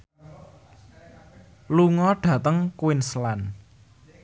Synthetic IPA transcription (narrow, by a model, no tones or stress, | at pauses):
luŋɔɖ̥ä̤t̪əŋkwɪnslan